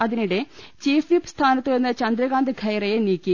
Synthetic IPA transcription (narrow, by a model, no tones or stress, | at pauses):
ɐðiniɽet͡ɕiːfʰʋipst̪ʰaːnɐt̪ːɨenːɐt͡ɕɐnd̪ɾɐɡaːnd̪ɡʱɐjɾɐjeniːkːi